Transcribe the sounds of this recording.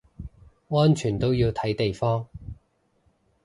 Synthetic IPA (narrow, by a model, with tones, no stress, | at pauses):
ŋɔː˥nt͡ʃʰyː˨˩nt̪o˥wjiː˧wt̪ʰɐ˨˥jt̪e˨jfɔː˥ŋ